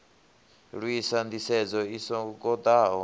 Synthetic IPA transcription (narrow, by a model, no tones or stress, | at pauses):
ɺwisand̪isɛd͡zɔisɔkɔd̪aɦɔ